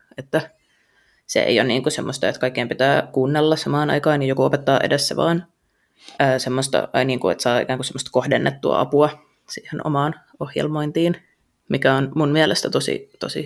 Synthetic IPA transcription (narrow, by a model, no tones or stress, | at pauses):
et̪ːæ | sḛḛijonniːŋkusemːost̪ɑet̪kɑikːeimpit̪æːkuːnːelːɑssɑmɑːnɑ̰ikɑːnijokuopet̪ːɑːʔḛdesːæ̰ʋɑ̰ːn | ʔəːsemːost̪ɑ̰niːŋkuḛt̪sɑːḭkæːŋkusemːost̪kohdenːʔet̪ːuɑ̰ɑ̰puɑ | siːheno̰mɑːn | ohjḛlmoint̪iːn | mikæonmunmiælest̪æt̪osḭt̪o̰sḭ